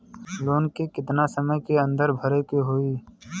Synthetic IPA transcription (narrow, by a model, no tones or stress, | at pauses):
loːnkekɪt̪nasɐməjkeɐ̃nd̪əɾbʱɐɾekeɦoiː